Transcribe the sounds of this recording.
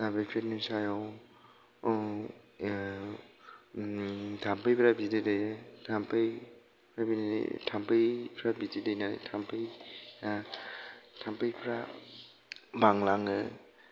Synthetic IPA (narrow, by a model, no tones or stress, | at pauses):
tapajpʰɾenusajɔw | tʰampʰɯjpʰɾabidedetʰampʰaj | pʰɾabinaḭtʰampʰejpʰɾabitidajna̰tʰampʰɯja | tʰampʰajpʰɾa | baŋlaŋɯ